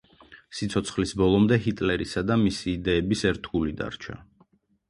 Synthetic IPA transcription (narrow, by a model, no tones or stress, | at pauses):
sit̪sʰɔt̪sʰχlisbɔlˠɔmd̪ɛɦit̪ʼlɛɾisad̪amisiːd̪ɛːbisɛɾt̪ʰulid̪a̰ɾt͡ʃʰa̰